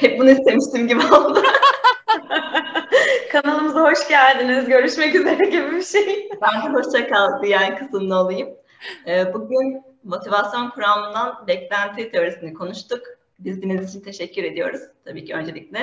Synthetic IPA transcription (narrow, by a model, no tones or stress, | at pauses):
hɛp̚bunuist̪e̞miʃt̪imɟibiaolˠd̪a | kʰanalˠɯmɯzaɦo̞ʃɟælʲd̪inizɟø̞ɾyʃmɛcyze̞ɾɛɟibibiʃejbænb̪ɛɦo̞ʃt͡ʃʰakalˠd̪ɯjaːnikʰɯsɯmlˠɯolˠujɯm | ɛːbuɟyn | mo̞t̪ʰivasjo̞nkʰuɾamɯnd̪anbɛclʲænt̪ʰit̪ʰe̞o̞ɾisinikʰo̞nuʃt̪ʰuk | bizd̪inizit͡ʃʰint̪ʰe̞ʃɛcʰːyɾe̞d̪ijo̞̰ɾuz̥t̪ʰabiːcʰiø̞nd͡ʒe̞lʲic̚lʲɛ